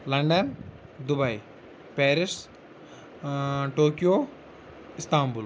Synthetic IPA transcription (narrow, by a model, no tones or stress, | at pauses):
lɐɳɖɐn | d̪ubɐj | peːɾɪs | ʈoːkijoː | ɪst̪aːmbul